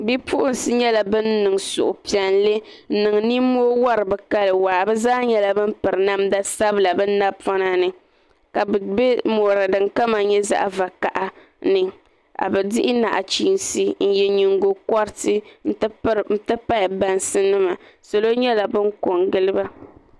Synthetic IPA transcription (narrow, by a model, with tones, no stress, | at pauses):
bi˦pu˦ʔʊ˦n˨sɨ˦ɲɛ˦la˨bɨ˦nː˦ɨ˨ŋ˨sʊ̰˨ʔʊ˨pi˨ɛ˨nle˦ | n̩˦nɨ˨ŋ˨ni˦moː˦wa˦ɾɨ˨bɛ˨ka˦lɨ˨waː˨bɛ˦zaː˦ɲɛ˦la˦bɨ˦m˦pɨ˨ɾɨ˨na˦mda˦sa˦bɨ˨˦la˨bɨ˦n˦na˦bpɔ˦na˦nɨ˨ | ka˨bbɛ˦moː˨ɾɨ˨dɨ˨ŋka˦ma˨˦ɲɛ˦za̰˦ʔa˦va˨ka˨ʔa˨ | nɨ˨ | a̰˨bɛ˨dɪ˦ʔɪ˦na̰˨ʔa̰˨t͡ʃiː˨˦nsi˦n̩˦jɛ˨ɲi˨ŋɡo˨kɔ˦ɾtɨ˦n̩˦tɨ˦˨m̩˦tɨ˦pa˦ja˨ba˨nsɨ˦nɨ˦ma˨so˨lo˦ɲɛ˦la˨bɨ˦ŋ˦ko˨ŋɡɨ˦lɨ˦ba˦